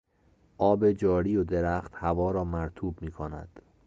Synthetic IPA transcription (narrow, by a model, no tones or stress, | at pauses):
ʔɒːbe̞d͡ʒɒːɾijod̪eɾæxt̪hævɒːɾɒːmæɾt̪ʰuːbmiːkʰonæ̰d̪̥